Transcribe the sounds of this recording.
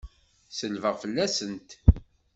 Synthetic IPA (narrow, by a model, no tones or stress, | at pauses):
səlvəʁfəlːæsənt̪